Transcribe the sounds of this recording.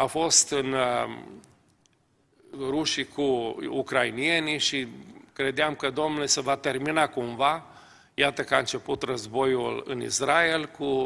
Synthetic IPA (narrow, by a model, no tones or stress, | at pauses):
afo̞st̪ɨn | ruʃikʰuukɾainie̞niʃikɾe̞d̪eamkəd̪o̞mnulsəvat̪e̞rminakuɱva | jat̪əkəaɨnt͡ʃe̞put̪rəzbo̞julɨ̰nḭsɾaelku